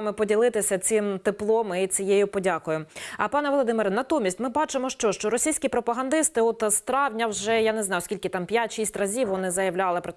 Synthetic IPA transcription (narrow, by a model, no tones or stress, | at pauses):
mɪpɔdʲilˠɪt̪ɪsʲɐt͡sʲɪmt̪ɪplˠɔmɪit͡sʲijejʊpɔdʲakʊjʊɐpɑnɛʋɔlˠɔd̪ɪmɪɾɐnɐt̪umʲisʲtʲmɪbɑt͡ʃɪmɔʃt͡ʃɔʃt͡ʃɔɾɔsʲijsʲkʲipɾɔpɐɦɐnd̪ɪst̪ɪɔt̪st̪ɾɑwnʲɐwʒɛjɑneznɑjʊɔskʲilʲkɪt̪ɑmpʲjatʲʃisʲtʲrɐzʲiwʋɔnɪzɐjɐwlʲɑlˠɪpɾɔ